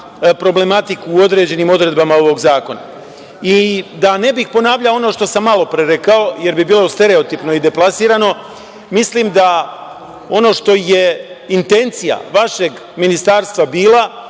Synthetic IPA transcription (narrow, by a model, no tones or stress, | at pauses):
pɾo̞ble̞mat̪ikuːo̞d̪ɾe̞d͡ʑe̞nimo̞d̪ɾe̞d̪bamao̞ʋo̞ɡzaːko̞na̰ | id̪ane̞bixpo̞naːʋʎao̞no̞ʃt̪o̞samːalo̞pɾeɾe̞kao̞je̞ɾbibiːlˠo̞st̪e̞ɾe̞o̞t̪ipno̞id̪e̞plˠasiːɾano̞ | mislimd̪a | o̞no̞ːʃt̪o̞je̞ | int̪e̞nt̪sija̰ʋaʃe̞ɡ | minist̪aːɾst̪ʋabiːla